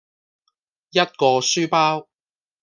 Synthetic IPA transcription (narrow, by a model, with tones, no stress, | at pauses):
jɐ˥t̚kɔː˧syː˥paː˥w